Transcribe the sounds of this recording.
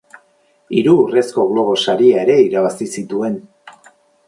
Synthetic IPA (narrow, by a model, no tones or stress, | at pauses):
iɾuːre̞sko̞ɣlo̞β̞o̞saɾiae̞ɾe̞iɾaβasisit̪ue̞n